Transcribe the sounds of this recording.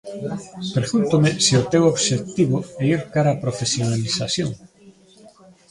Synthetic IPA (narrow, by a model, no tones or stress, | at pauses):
pɾeɣunt̪omɪsiʊt̪ewoβʃek̚t̪iβoɛiɾkaɾaːpɾofesjonalisasjoŋ